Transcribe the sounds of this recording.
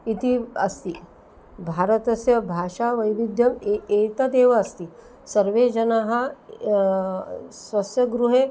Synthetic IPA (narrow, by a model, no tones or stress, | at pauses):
it̪iɐst̪i | bʱaɾət̪ɐsjɐbʱaːʂaʋɐjʋid̪jɐmet̪ad̪eːʋɐɐst̪i | sɐɾʋed͡ʒɐnaɦɐ | sʋɐsjɐɡɾuɦe